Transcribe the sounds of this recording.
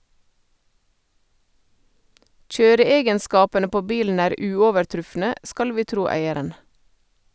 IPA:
ˈc͡çøːɾəˌeːɡənˌskɑːpənə ˈpoː ˈbiːln̩ ˈæːɾ ˈʉːɔʋəɾˌtɾʉfnə ˈskɑl ˈʋiː ˈtɾuː ˈæɪəɾən

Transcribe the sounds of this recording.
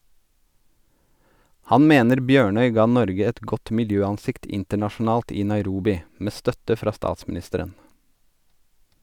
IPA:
ˈhɑn ˈmeːnəɾ ˈbjøːɳœʏ ˈɡɑː ˈnɔɾɡə ˈɛt ˈɡɔt mɪlˈjøːɑnˌsɪkt ˈɪntəɳɑʃn̩ˌɑːlt ˈiː nɑɪˈɾuːbɪ ˈmeː ˈstœtə ˈfɾɑː ˈstɑːtsmn̩ˌɪstəɾən

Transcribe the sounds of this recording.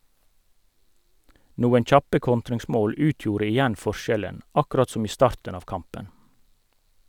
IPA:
ˈnuːən ˈçɑpə ˈkɔntɾɪŋˌsmoːl ˈʉːtjuːɾə ɪˈjɛn ˈfɔˌʃɛlən ɑˈkɾɑt ˈsʊm ˈiː ˈstɑːʁtɳ̩ ˈɑːʋ ˈkɑmpən

